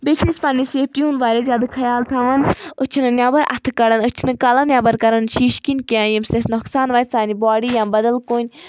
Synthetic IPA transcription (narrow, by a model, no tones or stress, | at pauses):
bet͡ʃʰespaːniseːp̚ʈ̪ijũːnʋaːɾezʲjaːd̪ɨkʰɐjaːlt̪ʰɐʋɐnut͡ʃʰinɨnʲjaːbɐɾʔɐ̰t̪ʰɨkɐɽɐnut͡ʃʰinɨkaːlanjaːbɐɾkɐɾɐnʃiːʃkinʲkiãːjimst̪esnɔksaːnʋɐːsaːnibaːɽijãːnbɐd̪ɐlkoːnʲ